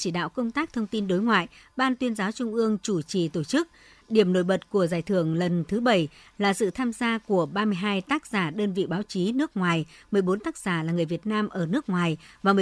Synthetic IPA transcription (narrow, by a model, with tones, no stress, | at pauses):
t͡ɕi˧˩ɗa̰ː˧˨wkə˧wŋ͡mt̪aː˦˥k̚t̪ʰə˧wŋ͡mt̪i˧nɗo˨˦jŋwa̰ː˧˨jɓaː˧nt̪wi˧ənzaː˨˦wt͡ɕʊ˧ŋ͡mʔɨ˧əŋt͡ɕu˧˩t͡ɕi˨˩t̪o˧˩t͡ɕɨ˦˥k̚ | ɗi˧˩əmno̰˧˨jɓə˨˩t̚ku˧˩əzaː˨˩jt̪ʰɨ˧˩əŋlə˨˩nt̪ʰɨ˨˦ɓə˧˩j | laː˨˩sɨ̰˧˨t̪ʰaː˧mzaː˧ku˧˩əɓaː˧mɨ˧əjɦaː˧jt̪aː˦˥k̚z̥aː˧˩ɗəː˧nvḭ˧˨ɓaː˨˦wt͡ɕi˨˦nɨ˦˥ək̚ŋwaː˨˩jmɨ˨˩əjɓo˨˦nt̪aː˦˥k̚z̥aː˧˩laː˨˩ŋɨ˨˩əjvi˨˩ət̚naː˧mʔəː˧˩nɨ˦˥ək̚ŋwaː˨˩jvaː˨˩mɨ˨˩